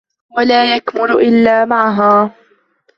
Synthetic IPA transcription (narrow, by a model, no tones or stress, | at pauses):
walaːjakmʊɾʔɪlːaːmaʕɦaː